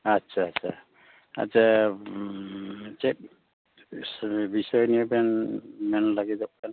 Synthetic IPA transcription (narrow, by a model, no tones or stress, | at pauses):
atsʰaːsʰa | a̰a | t͡ʃɛk̚ | bisɔjniɛbɛnmɛnlaɡidɔʔ̚ban